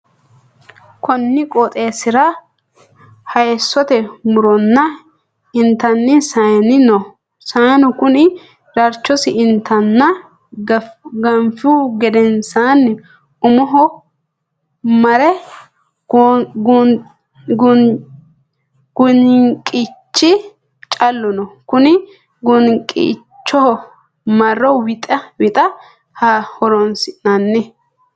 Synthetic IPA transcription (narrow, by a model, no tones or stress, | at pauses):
kɔnːɪkʼɔt̪ʼeːsɪɾɐ | hɐjsːɔt̪ɛmʊɾɔnːɐ | ɪnt̪ɐnːɪsɐjnɪnɔ | saːnɔkʊnɪ | ɾɐɾt͡ʃːɔsɪɪnt̪ɐnːɐ | ɡɐmfuɡɛd̪ɛnsaːnː | ʊmɔɦɔ | mɐɾɛ | ɡ̥ʊnɪŋkʼɪt͡ʃːɪ | t͡ʃʼɐlːɔnɔkʊnɪ | ɡʊnkʼɪ̰ | t͡ʃːɔhɔ | mɐrɔwɪt̪ʼɛwɪt̪ʼɐ | hahɔɾɔnsɪnɐnːɛ